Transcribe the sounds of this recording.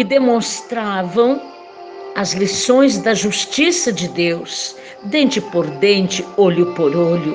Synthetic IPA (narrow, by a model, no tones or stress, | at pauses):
ɪd̪emõst̪ɾavɐ̃w̃ | ɐzlisõj̃zd̪ɐʒust͡ʃisɐd͡ʒɪd̪ews | d̪ẽnt͡ʃɪpoɾd̪ẽnt͡ʃɪoʎʊpoɾolʊ